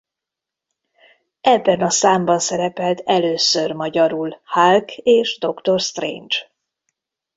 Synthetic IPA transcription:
ɛbːɛnɒsaːmbɒnsɛɾɛpɛlt̪ʰɛløːsørmɒɟɒɾulhalkeːʒd̪o̞kt̪o̞rst̪rḛːnt͡ʃ

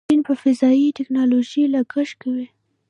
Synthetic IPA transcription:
inpəfɪzɑjitɪknɑloʒilaɡəʃkawi

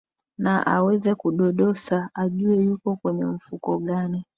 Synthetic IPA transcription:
naʔa̰wɛzɛkuɗɔɗɔsaaʄuɛjukɔkwɛɲɛm̩fukɔɡani

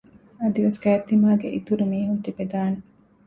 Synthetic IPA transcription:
ɐd̪iʋeskæːt̪ːimaːɡḛʔit̪uɾimiːɦunt̪ibed̪aːne

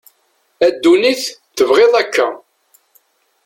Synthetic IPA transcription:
æd̪ːuniθθəvʁeðˤækːæ

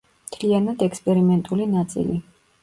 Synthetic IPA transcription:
mt̪ʰlianad̪ɛkspʼɛɾimɛnt̪ʼulinat̪sʼḭli

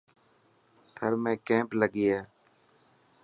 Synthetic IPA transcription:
t̪ʰəɾmẽːkẽːmpləɡiːɦɛː

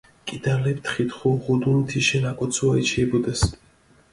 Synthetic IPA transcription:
kʼid̪alɛp̚t̪ʰχit̪χuʁud̪unt̪ʰiʃɛnakʼɔt̪sʰuait͡ʃʰiɛbɔd̪as

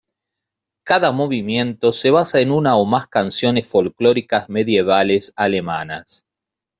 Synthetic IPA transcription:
kaðamo̞β̞imje̞nt̪o̞se̞β̞asaenunaomaskansjo̞nesfo̞lklo̞ɾikazme̞ðje̞β̞alesale̞manas

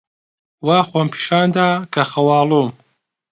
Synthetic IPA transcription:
waːxoːmpʰi̥ːʃaːnd̪aːkʰɐxɐwɑːlˠuːm

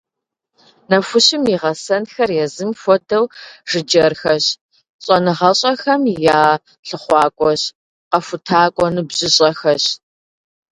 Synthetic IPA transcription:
nɐfʊɕɪmiːʁɐsɐnxɐrjɛzɨmfʷɔdʰɐwʒ̥ɨd͡ʒɐrxɐɕ | ɕʼɐnɨʁɐɕʼɐxɐmjaː | ɬɨχʷɑːkʷʼɔɕ | qɐfʊtʰaːkʷʼɔnɨbʑɪɕʼɐxɐɕ

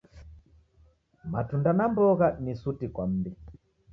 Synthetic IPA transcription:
matundanambɔɣanisutikwam̩bi

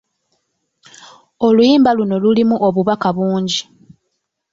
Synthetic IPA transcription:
o̞lujiːmbaluno̞lulimuʔoβuβakaβuːɲɟi

